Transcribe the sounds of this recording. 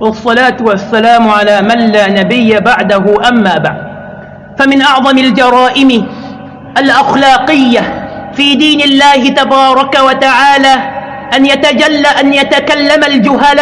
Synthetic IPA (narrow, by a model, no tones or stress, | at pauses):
wɑsˤːɑlaːt̪wasːalaːmʕalaːmanːaːnabɪjːabaʕd̪aɦʊʔamːaːba̰ʕd̪̚ | famɪnʔɑʕðˤɑmald͡ʒɑɾˤɑːʔɪm | ʔalʔaxlɑːqɪjːafiːd̪iːnɪlːaːhɪt̪abɑːɾˤɑkawat̪aʕaːlaː | ʔanjat̪ad͡ʒalːaʔanjat̪akalːamald͡ʒʊɦalaː